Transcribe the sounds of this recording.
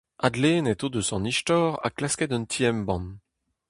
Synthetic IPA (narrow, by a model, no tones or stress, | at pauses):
ad̪leːnɛt̪od̪əsɔ̃niʃtɔːʁa̰klaskɛd̪ɔnt̪ʰiɛmbɑ̃n